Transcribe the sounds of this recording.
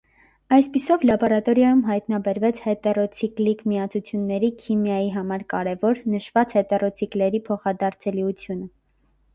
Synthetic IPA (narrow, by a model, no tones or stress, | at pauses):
ɑjspisɔvlɑbɔɾɑt̪ɔɾjɑjumɦɑjt̪nɑbɛɾvɛt͡sʰhɛt̪ɛrɔt͡sʰiklikmiɑt͡sʰut͡sʰjunːɛɾikʰimjɑjiɦɑmɑɾkɑɾɛvɔɾnəʃvɑt͡shɛt̪ɛrɔt͡sʰiklɛɾipʰɔχɑd̪ɑɾt͡sʰɛliut͡sʰjunə